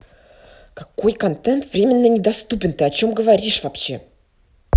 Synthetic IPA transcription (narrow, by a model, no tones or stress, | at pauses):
kakojkɐnt̪ɛnt̪vɾʲemʲɪnːənʲɪd̪ɐst̪upʲɪnt̪ɨɐt͡ɕo̞mɡəvaɾʲiʂvɐpɕːe̞